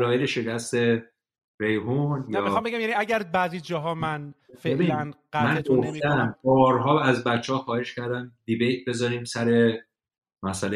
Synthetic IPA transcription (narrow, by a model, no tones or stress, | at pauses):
lɒːjeleʃe̞cʰæst̪e̞ | ɾejɦunjæːiɑmbeɟæmjæniæɟæɾbæzid͡ʒɒːɦɒmæn | felænɢæmænɡofæmbɒːɾɦɒːæzbætt͡ʃːehɒxɒːhe̞ʃcʰæɾd̪æmd̪ibejt̪̚be̞zɒːɾiːmsæɾe̞ | mæsæle